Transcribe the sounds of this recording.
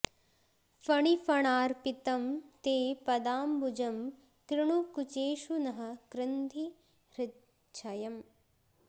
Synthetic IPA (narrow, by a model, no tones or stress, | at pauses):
fɐɳifɐɳaːɾpit̪ɐmt̪eːpɐd̪aːmbud͡ʒɐm | kɾɪɳ̃ukut͡ʃeːʃunɐɦɐkɾɪnd̪ʱi | ɾɪt̪ | t͡ʃʰɐjɐm